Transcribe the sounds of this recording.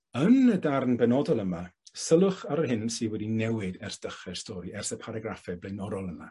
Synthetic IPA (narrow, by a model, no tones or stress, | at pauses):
ənədarnbɛnɔdɔlˠəmasəlˠʊχaɾəhɪnsɨːwɛdinɛwɪdɛrsd̥əχɛrstʰɔɾiɛrsəpʰaɾaɡrafɛblˠejnɔɾɔlˠəma